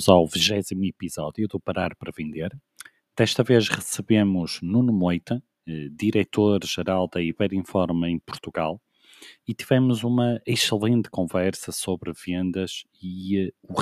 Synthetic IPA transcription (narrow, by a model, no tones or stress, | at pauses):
zawviʒɛzimuipizɔðjuðupɐɾaɾpɾɐvẽnd̪eɾ | d̪̥ɛʃt̪ɐveʃʁɨsɨβemuʒ̥nunmojt̪ɐ | ɛd̪iɾɛt̪oɾʒ̥ɨɾalˠd̪ɐiβɛɾĩfɔɾmẽj̃puɾt̪uɣalˠ | it̪ivɛmuzumɐiʃɨlˠẽnt̪kõvɛɾsɐsoβɾɨvẽnd̪ɐz | iɛu